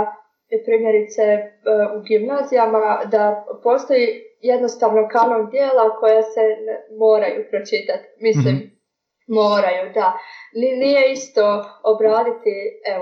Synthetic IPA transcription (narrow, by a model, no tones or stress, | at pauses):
pepɾiːmje̞ɾit̪seuɡimnaːzijamad̪apo̞ːst̪o̞jije̞d̪no̞st̪aʋnokanomd̪jeːlˠako̞jasemo̞ːɾajupɾo̞t͡ʃit̪at̪mislim | moːɾajud̪aninije̞ist̪o̞obɾaːd̪it̪ie